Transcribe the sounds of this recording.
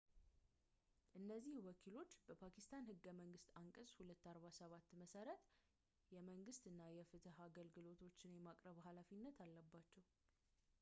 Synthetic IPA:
ʔɨnːəzːihwɔkʰilo̞t͡ʃːbəpʰakʰist̪ʰanhɨɡːəməŋɡɨst̪aŋkʼəshulət̪ːaɾβasəβat̪ːməsəɾət̪ | jɛməŋɡɨst̪ɨnːajɛfɨt̪ʰɨhaɡəlɡɨlo̞t̪ʰo̞t͡ʃːɪnjɛmakʼɾəβhalafinːət̪ʰalːəbːat͡ʃːɛw

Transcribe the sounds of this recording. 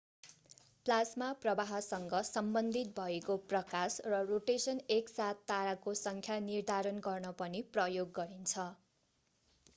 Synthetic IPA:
plasmaprʌbaɦʌsʌŋɡʌsʌmbʌnd̪ʱit̪̚bʱʌekoprʌkasrʌroʈesʌneksat̪ːaɾakosʌŋkʰjanird̪ʱaɾʌnɡʌrnʌpʌniprʌjoɡːʌɾint͡sʰʌ

